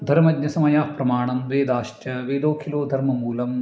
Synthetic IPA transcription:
d̪ʱɐɾmɐd̪ɲɐsɐmɐjaːhpɾɐmaːɳɐmʋeːd̪aːʃtɐʋeːd̪oːkʰiloːd̪ʱɐɾmɐmuːlɐm

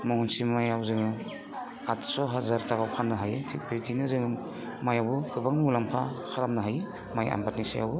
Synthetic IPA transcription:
mɔŋunsimajawzɯŋɯ | atsɔɦazaɾtabawkʰanːɯɦajɯtʰik̚bitinɯzɯŋɯ | majabukɯbaŋnɯulampʰakʰaɾamnɯɦajɯ | maja̰mbat̚nisa̰ja̰wbɯ

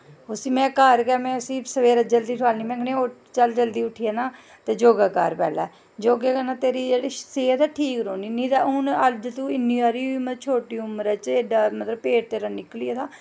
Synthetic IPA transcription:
ʊsiːmɛ̃ːkəɾkɛːmɛ̃ːʊsĩːsəʋeːɾəd͡ʒəld̪iːʈʰʋaːlniːmɛ̃ːɡnẽo | t͡ʃəld͡ʒəld̪iːʊʈʰiːɛːnaː | t̪eːd͡ʒoːɡaːkə̰ɾpɛ̰ːlɛ̰ː | d͡ʒoːɡeːkənaːt̪eːɾiːd͡ʒeːɽiːseːt̪ɛːʈʰiːkɾoːniːnĩːd̪aːʊnəld͡ʒt̪uːɪnːĩːaːɾiːiːmət͡ʃʰoːʈiːʊməɾɛːt͡ʃeːɖaːmət̪ləbpeːʈ̚t̪eːɾaːnɪkliːɛːt̪aː

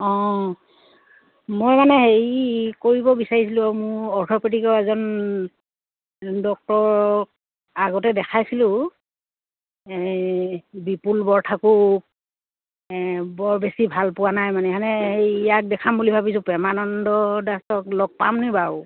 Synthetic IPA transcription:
ɔ̃ | mojmanɛɦejkoɹibɔbisaɹisilʊ̃amʊɔɹtʰɔpitikɔɛzɔn | dɔk̚tɔɹ | aɡɔtɛdɛkʰajsilʊ̃ | bipulbɔɹtʰakuk̚ | bɔɹbesibʱalpʊwanajmanɛanɛhejjak̚dɛkʰambulibʱabisʊ̃pɛmanɔndɔdastɔklɔɡ̚pa̰mnibaw

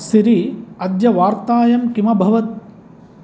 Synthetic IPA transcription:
siɾiɐd̪jɐʋaːɾt̪aːjɐmkimɐbʱɐʋɐt̪̚

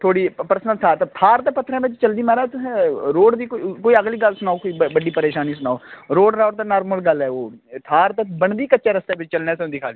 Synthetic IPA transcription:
t̪ʰoːɽiːpəɾsnəlt̪ʰaːt̪ːt̪ʰaːɾt̪eːpət̪ʰːɾɛ̃ːʋɪt͡ʃt͡ʃəld̪iːmɛːɾaːt̪ːɾoːɖd̪iːkokoːiːəɡliːɡəlsʊnaːoːkoiːbəɖiːpəɾeːʃaːniːsʊnaːoːɾoːɖɾaːʈd̪aːnaːɾməlɡəlɦɛːoːt̪ʰaːɾt̪abəɳd̪iːkətːt͡ʃaːɾəst̪eːʋɪt͡ʃt͡ʃəlnẽːsɛ̃d̪ɪkʰaːli

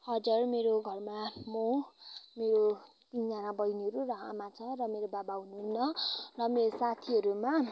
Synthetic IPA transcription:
hʌd͡zʌrmeɾoɡʱʌrmamomeɾo | t̪ind͡zanabʌjniɦʌɾurʌɦa̰mat͡sʰʌrʌmeɾobabaɦunuɦunːʌrʌmeɾosat̪ʰiɦʌɾuma

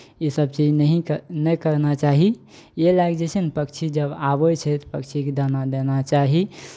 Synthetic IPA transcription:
isəb̚t͡ʃid͡ʒnəɦĩnəkəɾnat͡ʃaɦi | jelaɡd͡ʒet͡ʃʰənpəkt͡ʃʰid͡ʒəbabɔt͡ʃʰɛt̪ɔpəkt͡ʃʰiked̪anad̪enat͡ʃaɦi

